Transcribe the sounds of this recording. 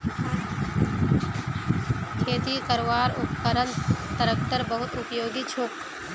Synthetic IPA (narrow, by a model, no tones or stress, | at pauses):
kʰeːt̪ikəɾʋaːɾʊpkəɾənt̪əɾək̚t̪əɾbəɦʊt̪ʊpjoːɡit͡ʃʰʊk